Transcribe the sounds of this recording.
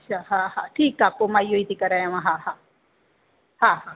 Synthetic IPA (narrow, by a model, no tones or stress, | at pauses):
t͡ʃʰaɦãhãʈʰiːkːapomajoit̪ikɐɾajãmãɦaɦã | hãɦã